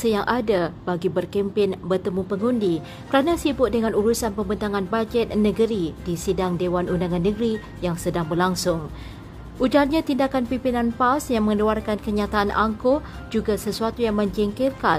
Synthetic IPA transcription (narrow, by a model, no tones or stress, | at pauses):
səjaŋʔadabaɡibərkimpɪnbərt̪əmupəŋundi | kəɾanãsibʊʔ̚dəŋãnuɾusanpəmbənt̪aŋanbad͡ʒɛt̪̚nə̃ɡəɾidisidaŋdewanʔundaŋanːəɡɾi | jaŋsədaŋbərlaŋsʊŋ | ʔud͡ʒarɲãt̪indakanpimpinãnpawsjaŋmə̃ŋluarkankəɲat̪aʔanʔaŋko | d͡ʒuɡasəsuat̪ujaŋmə̃ɲd͡ʒiŋkɪrka